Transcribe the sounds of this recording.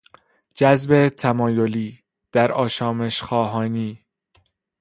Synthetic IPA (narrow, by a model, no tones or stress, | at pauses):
d͡ʒæzbe̞t̪ʰæmɒːjoliː | d̪̥æɾɒːʃɒːme̞ʃxɒːɦɒːniː